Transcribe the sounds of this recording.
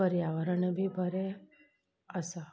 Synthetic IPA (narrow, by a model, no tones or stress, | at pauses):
əɾjaʋəɾəɳebʱibʱəɾe | əsa